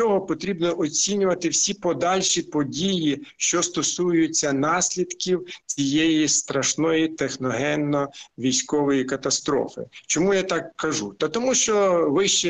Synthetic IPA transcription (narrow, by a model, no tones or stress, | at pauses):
t͡ʃɔɦɔpɔt̪ɾʲibnɔʔɔt͡sʲinʲʊʋɐt̪ɪwsʲipɔd̪ɑlʲʃipɔdʲijiʃt͡ʃɔst̪ɔsujʊt͡sʲːɐnɑsʲlʲid̪kʲiwt͡sʲijɛjist̪ɾɐʃnɔjit̪exnɔɦɛnːɔʋʲijsʲkɔʋɔjikɐt̪ɐst̪ɾɔ̰fɪ̰t͡ʃɔmujat̪ɑkkɐʒut̪ɐt̪ɔmuʃt͡ʃɔʋɪʃt͡ʃɛ